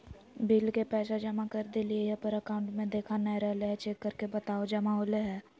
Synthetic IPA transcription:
bilkepɛːʃad͡ʒɐmakəɾd̪eliejapəɾəkaːʊ̃ɳʈmẽd̪eːkʰanə̃ɾɛɦleɦɛt͡ʃekːəɾkebət̪aːod͡ʒɐmaɦoːleɦɛː

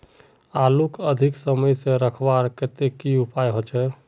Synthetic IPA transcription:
alukəd̪ʱiksəməjsẽɾəkʰbaɾket̪ekiupajɦot͡ʃʰɛ

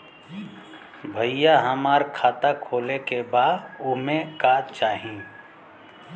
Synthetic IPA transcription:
bʱəijaɦəmaːɾkʰaːt̪akʰoːlekebaːd̪ʊmẽkaːt͡ʃaːɦĩ

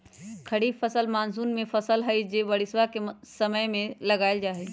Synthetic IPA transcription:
kʰɐɽifʰɐsəlmaːnsuːnmẽfɐsəlɦɐid͡ʒeːʋɐɽɪsʋakesɐməjmẽlɐɡaːɪld͡ʒaːɦeː

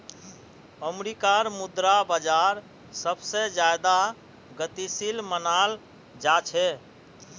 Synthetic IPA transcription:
əmɾikaɾmud̪ɾabəd͡ʒaɾ | səbsed͡ʒad̪a | ɡət̪isilmənal | d͡ʒat͡ʃʰɛ

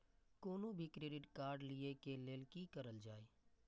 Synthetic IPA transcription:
koːnõbʱikɾeːɖɪʈkaːɾɖliekeleːlkikəɾəld͡ʒaːeː

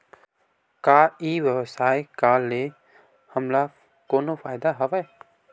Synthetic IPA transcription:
kaːiːwjəwsaːjkaːe | həmla | koːnopʰaːɪd̪aɦɐʋae

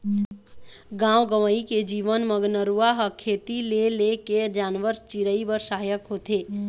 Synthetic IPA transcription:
ɡãːwɡəʋəiked͡ʒiːʋənməɡnəɾuaɦəkʰːeːt̪ileleked͡ʒaːnʋəɾt͡ʃiɾəibəɾsaɦjəkɦoːt̪eː

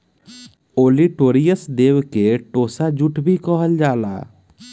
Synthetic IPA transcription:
oːliʈoːɾijəsd̪eːwkeʈoːsad͡ʒuʈʰbʱikɔɦəld͡ʒaːla̰ː

